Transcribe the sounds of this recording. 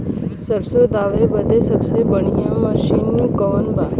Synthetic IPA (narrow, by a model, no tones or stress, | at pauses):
səɾsod̪aʋebəd̪esəbsebəɳ̃ijəməɕinːukəʋənba